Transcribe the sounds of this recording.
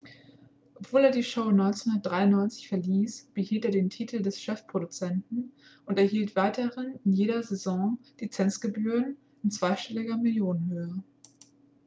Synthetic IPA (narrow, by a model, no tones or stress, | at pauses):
ʔɔpv̥oːleːɐdiːʃoʊnɔʏnt͡senhʊndɐtd̥ʁaɪʊnɔʏnt͡sɪçfɛɐliːsb̥əhiːlteːɐdeːntʰiːtʰl̩dɛsʃɛfpʁ̥odut͡sɛntn̩ | ʔʊntɛɐɦiːltv̥aɪtəʁɪnɪnjeːɾɐzezɔ̃lit͡sɛnt͡sɡ̥əbyːʁən | ʔɪnt͡sv̥aɪʃtɛlɪɡɐmɪljoːnənhøːə